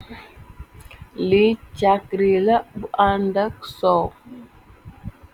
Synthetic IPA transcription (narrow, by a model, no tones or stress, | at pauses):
lit͡ʃakɾilabuʔandak̚sɔ